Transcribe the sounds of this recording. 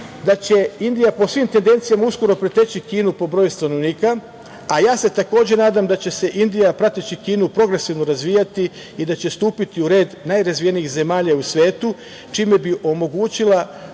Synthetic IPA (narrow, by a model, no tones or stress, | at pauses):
d̪at͡ɕe̞ind̪ijapo̞sʋiːmt̪e̞nd̪e̞nt̪sijamausko̞ɾo̞pɾet̪e̞t͡ɕikiːnupo̞bɾo̞ːjust̪ano̞ʋniːka | ajaːse̞t̪ako̞ːd͡ʑenaːd̪amd̪at͡ɕe̞se̞ʔind̪ijapɾat̪it͡ɕikiːnupɾo̞ɡɾe̞siʋno̞ɾazʋiːjat̪i | id̪at͡ɕe̞st̪uːpit̪iuɾe̞ːd̪najɾazʋije̞niːxze̞maːʎausʋe̞ːt̪u | t͡ʃiːme̞biʔo̞mo̞ɡuːt͡ɕila